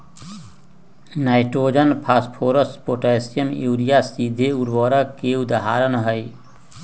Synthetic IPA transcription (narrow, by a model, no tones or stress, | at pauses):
naːɪʈɾoːd͡ʒənpʰaːspʰoːɾəspoːʈesijəmuːɾijasid̪ʱeuɾwəɾəkeud̪aɦaːɾənɦəi